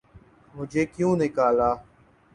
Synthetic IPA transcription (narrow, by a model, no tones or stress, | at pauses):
mʊd͡ʒʱeːkjũːnɪkaːlaː